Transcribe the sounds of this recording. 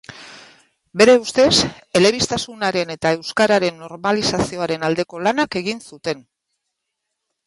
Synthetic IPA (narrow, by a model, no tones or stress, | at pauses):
be̞ɾe̞ust̪e̞s | e̞le̞β̞ist̪asunaɾe̞ne̞t̪ae̞wskaɾaɾe̞nːo̞ɾmalisasio̞aɾe̞nald̪e̞ko̞lanake̞ɣ̞insut̪e̞n